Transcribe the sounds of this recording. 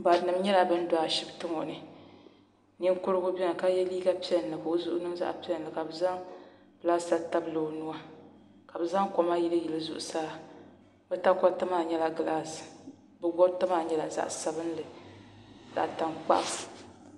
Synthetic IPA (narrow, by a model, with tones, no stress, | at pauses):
ba˨nɨ˨mɲɛ˦la˨bɨ˦n˦da˨a˨ʃi˦btɨ˦ŋɔ˨nɨ˨ | ni˦kʊ˦ɾɨ˦ɡʊ˦bɛ˦a˨ka˦jɛ˦liː˦ɡa˦pi˦ɛ˨nː˨ɨ˨ko˨˦zu˦ʔʊ˦nɨ˦mza̰˦ʔpi˦ɛ˦˨n˨lɨ˨ka˨bɨ˨za˦ŋ | bla˦sa˦ta˦blo˨nu˦wa˦ | ka˨bɨ˨za˦ŋkɔ˨ma˦ji˦lɨ˦ji˨lɨ˦zu˨ʔʊ˨saː˦ | bɛ˦ta˦kɔ˦tɨ˦maː˨ɲɛ˦la˨ɡɨ˨la˦s | bɛ˦ɡɔ˦tɨ˦maː˨ɲɛ˦la˨za̰˦ʔsa˨bɨ˦n˦lɨ˨ | za̰˨ʔta˨ŋk͡pa̰˦ʔf